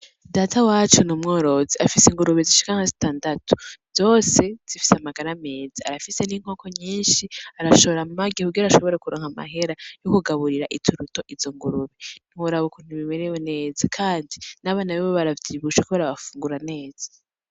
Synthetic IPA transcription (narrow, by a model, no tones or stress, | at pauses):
daːtʰawaːt͡ʃunumŋo̞ːɾo̞ziafisiŋɡuɾuβeziʃi̥kaŋ̥azi̥taːndatʰu̥z̥o̞ːse̞z̥ifi̥samaɡaɾame̞ːzaa̰ɾafise̞niŋ̥o̞ːko̞ɲiːnʃiaɾaʃo̞βoɾamumaɡihuɡiɾaʃo̞βo̞ɾekuɾoːŋhama̰ɦe̞ɾajokuɡaβuɾiɾaʔitʰuɾuto̞ʔiz̥oŋɡuɾuβen̥iwuɾaβukun̥iβimeɾewene̞ːzakʰaːndinaβanaβiβoβaɾavjiβuʃekuβaɾaβafuːŋɡuɾane̞ːz̥ḁ